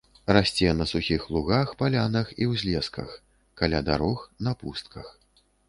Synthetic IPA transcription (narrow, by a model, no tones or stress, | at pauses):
rasʲt͡sʲɛnɐsuxʲixlˠuɣaxpalʲanɐxiwzʲlʲɛskɐ̰x | kalʲad̪a̰ɾɔxnɐpust̪̚kʰɐx